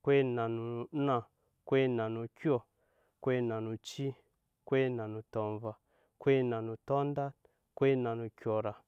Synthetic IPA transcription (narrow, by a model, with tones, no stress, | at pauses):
kwe˦nã˨nu˨˦nã˨ | kwe˦nã˨nũ˨kjɔ˨ | kwe˦nã˨nũ˨t͡ʃi˦ | kwe˦nã˨nũ˨tɔ˨ɱva˨ | kwe˦nã˨nũ˨tɔ˦n˦da˦ | kwe˦nã˨nũ˨kʲjɔ˨ɾa˨